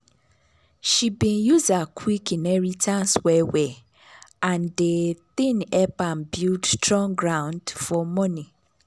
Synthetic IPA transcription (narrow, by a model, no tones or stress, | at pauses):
ʃibĩnjuzakʰwikinɛɹitʰãnswɛwe | ãndeθĩnɛpãnbudtʰɹɔ̃ŋɡɹãʊ̃ndfɔmɔ̃nĩ